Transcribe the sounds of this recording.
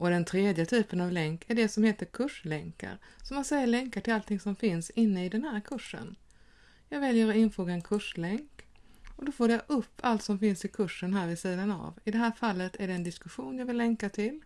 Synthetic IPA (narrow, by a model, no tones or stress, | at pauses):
ʔɔd̪ɛnt̪ʰɾeːd̪jət̪ʰyːpənavlɛŋkʰæɖɛsɔmheːt̪əɾkʰɵʂlɛŋka̰ɾsɔmansɛjːalɛŋkaʈʰɪlalt̪ʰɪŋsɔmfɪnsɪnːəɪd̪ɛnhæːɾkʰɵʂːə̰n | jɑːɡvɛljəɾɔɪnfoːɡaɛnkʰɵʂlɛŋkɔd̪ɔfoːɾjaʔɵpʰːalt̪sɔmfɪnsɪkʰɵʂːənɦæːɾvɪsiːd̪ana̰vɪd̪ɛɦæːɾfalːət̪ʰæɖɛːnd̪ɪskɵɧuːnjaːvɪlːɛŋkat̪ʰɪl